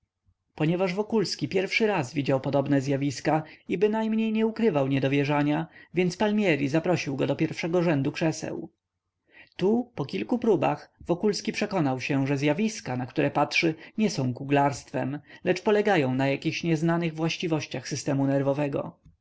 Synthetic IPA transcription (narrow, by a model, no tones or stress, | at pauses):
pɔɲɛvaʐvɔkulskʲipʲjɛɾfʂɘɾazvʲid͡ʑawpɔd̪ɔbnɛzʲjavʲiskaibɘnajmɲejɲɛukɾɘvawɲɛd̪ɔvʲjɛʐaɲavʲjɛnt̪spalmʲjɛɾʲizapɾɔɕiwɡɔd̪ɔpʲjɛɾfʂɛɡɔʐɛnd̪ukʂɛsɛ̰w | t̪upɔkʲilkupɾuba̰xvɔkulskʲipʂɛkɔnawɕɛʐɛzʲjavʲiskanakt̪uɾɛpatʂɘɲɛsɔ̃w̃kuɡlaɾst̪fɛ̰mlɛt͡ʂpɔlɛɡajɔ̃w̃najakʲixɕɲɛznanɘɣvwaɕt͡ɕivɔɕt͡ɕaxsɘst̪ɛmunɛɾvɔvɛɡɔ̰